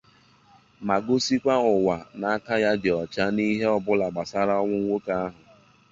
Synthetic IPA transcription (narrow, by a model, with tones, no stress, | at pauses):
ma˨ɡʊ˦si˦kʷa˦ʊ˨wa˨na˨a˦ka˦ja˦dɪ˨ɔ˨t͡ʃa˦ni˦ɦe˦ɔ˨bʊ˦la˨ɡ͡ba˨sa˦ɾa˦ɔ˦ŋʷʊ˦ŋʷo˦ka˦a˦ɦʊ˨